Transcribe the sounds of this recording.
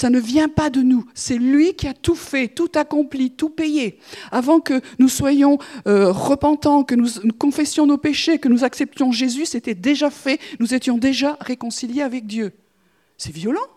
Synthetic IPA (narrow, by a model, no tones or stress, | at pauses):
sanəvjɛ̃pad̪ənusɛlɥikʲiat̪ufɛt̪ut̪akɔ̃plit̪upɛjeavɑ̃kənuswajɔ̃øʁəpɑ̃t̪ɑ̃kənunukɔ̃fɛsjɔ̃nopeʃekənuzaksɛp̚t̪jɔ̃ʒezyset̪ɛd̪eʒafɛnuzet̪jɔ̃d̪eʒaʁekɔ̃siljeavɛk̚d̪jø | sɛvjɔlɑ̃